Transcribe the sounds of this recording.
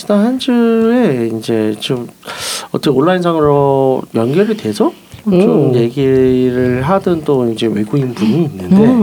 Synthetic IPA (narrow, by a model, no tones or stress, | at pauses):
idaɦand͡ʑɯɾe̞ind͡ʑe̞t͡ɕomʌ̰t͈ʌoɭːainsʰaŋɯɾojʌnɡjeɾɯɭdwe̞d͡ʑʌ | t͡ɕomje̞ɡiɾɯɭɦadɯnt͈oind͡ʑe̞we̞ɡuinpuɲiːnːɯnde̞